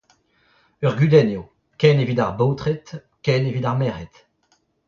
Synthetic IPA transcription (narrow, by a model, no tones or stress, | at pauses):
œʁɡɥyd̪ɛnjo | kɛnevid̪aʁbowt̪χet̪ | kɛnevid̪aʁmɛːʁet̪